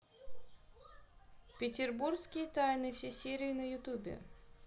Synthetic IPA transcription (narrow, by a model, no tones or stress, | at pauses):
pʲɪtʲɪrburskʲɪjət̪ajnɨfsʲesʲeɾʲɪɪnəjʊt̪ubʲɪ̰